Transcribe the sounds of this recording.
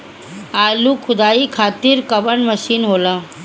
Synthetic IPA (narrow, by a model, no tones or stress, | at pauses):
aːlukʰʊd̪aːikʰaːt̪iɾkɐʋəɳmɐʃiːnɦoːlaː